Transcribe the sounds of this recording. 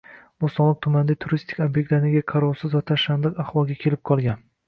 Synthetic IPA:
bʊsɒlˠɪq̚t̪ʰʊmand̪at̪ʰʊɾist̪ʰɪ̥kʲobjek̚t̪lanɪɡʲaqʰɑɾɒwsɪzvat̪ʰaʃand̪ɨqaχvɒlˠɡʲakʲʰe̞lɪp̚qʰɒlˠɡʲan

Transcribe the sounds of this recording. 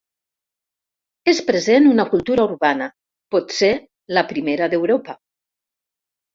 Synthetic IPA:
espɾezenunɐkulˠt̪uɾauɾβana | pɔt̪se | lapɾimeɾaðewɾopa

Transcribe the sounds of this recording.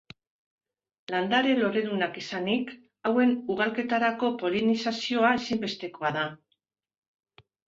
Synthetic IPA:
land̪aɾe̞lo̞ɾeðunakisanik | awe̞nuɣ̞alke̞t̪aɾako̞po̞linisasio̞aesimbe̞st̪e̞ko̞aða

